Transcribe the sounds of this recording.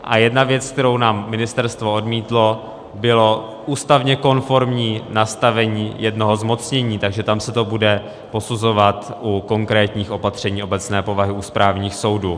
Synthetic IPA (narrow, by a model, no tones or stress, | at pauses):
ʔa̰jɛdnavjɛt͡sk̚t̪ɛɾo̞wnaːmːɪnɪst̪ɛɾst̪vo̞ʔo̞dmiːt̪lo̞ | bɪlo̞ | ʔuːst̪avɲɛko̞nfo̞ɾmɲiːnast̪avɛɲiːjɛdno̞ɦo̞zmo̞t͡sɲɛɲiːt̪aɡʒɛt̪amsɛt̪o̞budɛ | po̞suzo̞vat̪ʔuko̞ŋkɾɛːt̪ɲiːxʔo̞pat̪r̝̥ɛɲiːʔo̞bɛt͡snɛːpo̞vaɦɪuspɾaːvɲiːxso̞wduː